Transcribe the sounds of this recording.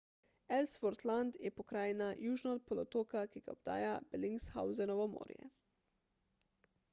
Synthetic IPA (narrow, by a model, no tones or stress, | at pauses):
ɛlsfɔɾt̪land̪jɛpɔkɾaːjnajuːʒnɔt̪̚pɔlɔt̪oːkakiɡaɔb̚d̪a̰ːjabɛliŋksxa̰wzɛnɔʋɔmo̰ːɾjɛ̰